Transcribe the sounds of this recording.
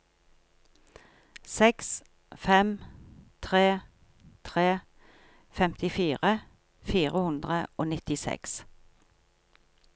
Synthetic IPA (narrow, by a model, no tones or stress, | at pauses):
sɛks | fɛmt̪ʰʁeː | t̪ʰʁeː | fɛmt̪ɪfiːʁə | fiːʁəhʉnd̪ʁəoːnɪt̪ɪsɛ̰ks